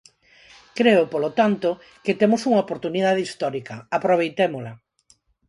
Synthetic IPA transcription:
kɾeopolot̪ant̪o | ket̪emosuŋaopoɾt̪uniðaðist̪ɔɾikɐapɾoβ̞ejt̪emolɐ

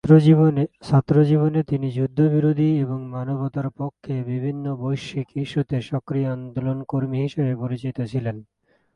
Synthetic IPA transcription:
sat̪ːɾod͡ʑiβonet̪inid͡ʑud̪ʱːobiɾod̪ʱieboŋmanobot̪aɾpokʰːebibʱinːobojʃikiʃːut̪eʃɔkɾiand̪olonkoɾmiɦiʃebepoɾit͡ɕit̪ot͡ɕʰilen

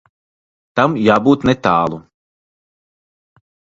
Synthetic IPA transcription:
t̪amjaːbuːt̪nɛt̪aːlˠu

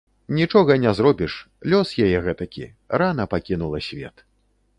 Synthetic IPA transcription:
nʲit͡ʂɔɣɐnʲɛzɾɔbʲiʂ | lʲɔsjajɛɣɛt̪ɐkʲḭ | ranɐpakʲinulˠɐsʲvʲɛt̪

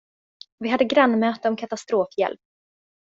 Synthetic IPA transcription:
vɪɦad̪ːəɡɾanːmœːt̪əɔmkʰat̪ast̪ɾoːfjɛ̰lp̚

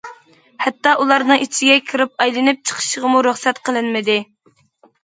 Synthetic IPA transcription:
hɛt̪ːɑʔulˠɑɾnɨŋit͡ʃʰiɡʲɛkʲʰiɾɪp̚ɑjlˠɨnɪp̚t͡ʃʰə̥qʰə̥ʃəʁəmuɾøχsɛt̪qʰəlˠɨnmɪd̪ɪ

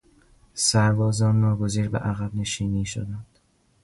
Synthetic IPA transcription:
sæɾbɒːzɒːnːɒːɡoziːɾbḛʔæɣæbne̞ʃiːniːʃo̰d̪ænd̪̥

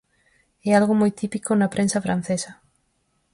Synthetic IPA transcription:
ɛalɣomojt̪ipikonɐpɾʔensɐfɾan̟θesɐ

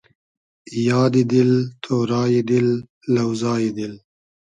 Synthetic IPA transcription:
jɑːd̪id̪ɪlt̪ʰoːɾɑːjid̪ɪlː | awzɑːjid̪ɪl

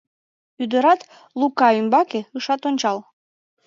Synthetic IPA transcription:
yd̪ə̆ɾɑt̪ | lukɑymbɑkĕɯʃɑt̪onʲt͡ɕɑlˠ

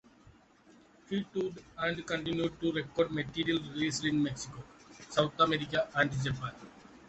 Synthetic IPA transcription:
hiʈuɖæ̃ɳɖkə̃ɳʈɪ̃njuɖ̚ʈuɾekːɔːɾɖmeʈiːɾiəlɾileːslĩnmeksikoːsaʊt̪ʰameɾikaʔæ̃ɳɖd͡ʒapãːn

